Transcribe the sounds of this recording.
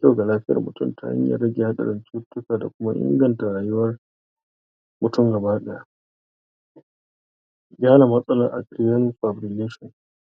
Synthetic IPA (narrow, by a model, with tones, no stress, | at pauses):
kʲa˦wɡa˨laː˦ɸɪ˦jɐ̰˨rmʊ̰˨tʊ̰˦˨mtʰa̰˦ʔa̰˦ɲja̰˨ɾɐ˦ɡʲe˨ha˦ɗɐ̰˨ɾɪ˦nt͡ʃuː˦tʊ˦kaː˨da˨kʷʊ˦ma˦ʔɪ̰˦ŋɡɐ˨nta˨ɾaː˨jʊ˦wɐ˦r | mʊ˨tʊ˦mɡɐ˨baː˦ɗɛː˨ja˨ | ɡʲaː˦na˨mɐ˦sʼɐ˦laː˨ʔa̰˨kɾi˦jɐ˦nɸa˨bɾi˨leː˦ʃɔ˨